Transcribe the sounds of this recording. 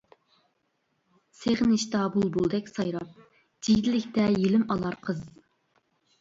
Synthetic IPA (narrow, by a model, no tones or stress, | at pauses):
seʁnɪʃt̪ɑbulˠbolˠd̪ɛkʲsɑjɾɑp̚ | d͡ʒid̪ɪlɪkʲt̪ɛjilɪmɑlˠɑɾqʰəz